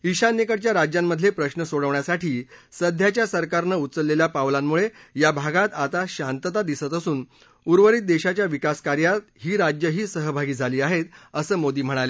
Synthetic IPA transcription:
iɕanjekəɽt͡ɕjaɾad͡ʑjamːəd̪ʱlepɾəɕnəsoɽəʋɳjasaʈʰiːsəd̪ʱjat͡ɕjasəɾkaɾnəut̪t͡səlːeljapaʋlamːuɭejabʱaɡat̪at̪aɕant̪ət̪ad̪isət̪əsuːn | uɾʋəɾiːt̪̚d̪eɕat͡ɕjaʋikaskaɾjat̪̚ɦiːɾad͡ʑjəɦiːsəɦəbʱaɡiːd͡zʱaliːaɦet̪əsəːmod̪iːm̤əɽ̃ale

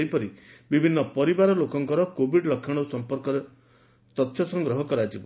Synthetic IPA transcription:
jpɔɾibibʱinːɔpɔɾibaɾɔlokɔŋkɔɾɔkobʱiɖlɔkʰːjɔɽ̃ɔusɔmpɔɾkɔɾe | t̪ɔt̪ʰjɔsɔŋɡɾɔɦɔkɔɾad͡ʒib

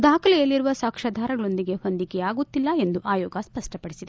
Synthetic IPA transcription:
d̪aːkʰɐlɛjɐlːiɾuʋɐsaːkʂɐd̪ʱaːɾɐɡɐɭo̞nd̪iɡe̞hond̪ikɛjaːɡut̪ːilːɐe̞nd̪uʔaːjɔːɡɐspɐʂʈɐpɐɽisid̪e

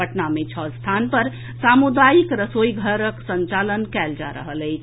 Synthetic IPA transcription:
əʈnamet͡ʃʰəst̪ʰanpəɾ | samud̪ajikɾəsojɡʱəɾəksənt͡ʃalənkɛld͡ʒa̰ɾə̰ɦələɪt͡ʃʰ

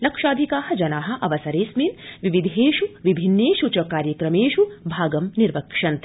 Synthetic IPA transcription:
lɐkʂaːd̪ʱikaːɦɐ̆d͡ʒɐnaːɦɐ̆ʔɐʋɐsɐɾeːsminʋiʋid̪ʱeːʃuʋibʱinːeːʃut͡ʃɐkaːɾjɐkɾɐmeːʃubʱaːɡɐmniɾʋɐkʂɐnt̪

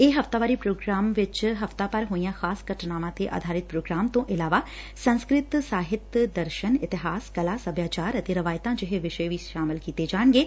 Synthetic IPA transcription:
eːɦɐft̪aːʋaːɾipɾoːɡɾaːmʋɪt͡ʃɦɐft̪apəɾɦoːijãːxaːsɡəʈʰnaːmãːt̪eʔa̰ːd̪ʱaːɾɪt̪̚pɾoːɡɾaːmt̪õʔɪlaːʋaː | sə̃nskɾɪt̪saːɦɪt̪d̪əɾʃənɪt̪ɪɦaːskɐlaːsəbjaːt͡ʃaːɾət̪eɾɐʋaːjt̪ãd͡ʒɪɦeʋɪʃəeʋiːʃaːmɪlkiːt̪ed͡ʒaːɳɡeː

